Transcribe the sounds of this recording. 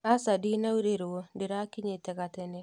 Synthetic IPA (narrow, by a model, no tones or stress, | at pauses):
asadinauɾeɾwodɪɾakiɲeteɣatene